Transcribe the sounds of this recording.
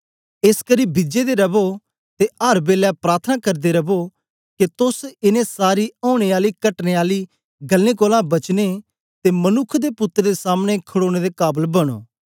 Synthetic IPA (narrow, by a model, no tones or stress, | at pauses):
ɪskəɾiːbɪd͡ʒed̪eɾɐbo | t̪eɐɾbeːljapɾaːɾt̪ʰnakɐɾd̪eɾɐbo | ket̪ʊsɪnẽsaːɾiɔːʊɽ̃eaːlikɐʈneːaːli | ɡɐlːẽːkoːlãbɐt͡ʃne | t̪emɐnʊkʰd̪epʊt̪ːɾed̪esaːmɽ̃ekʰəɽoːɽ̃ed̪ekaːbəlbɐɽ̃o̰ː